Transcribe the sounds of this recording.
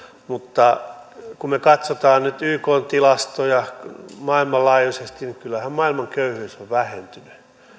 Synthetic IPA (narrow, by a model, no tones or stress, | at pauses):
mut̪ːɑkumekɑt̪sot̪ɑːnnyt̪yːkoːnt̪ilɑst̪ojɑmɑilmɑllɑːjusest̪inikylːæhæmmɑilmɑŋkøyhyːsoʋʋæhent̪yny